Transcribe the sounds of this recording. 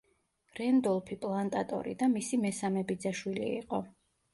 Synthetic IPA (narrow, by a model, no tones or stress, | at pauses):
ɾɛnd̪ɔlˠpʰipʼlˠant̪ʼat̪ʼɔ̰ɾḭd̪amisimɛsamɛbid̪zaʃwilḭːqʼɔ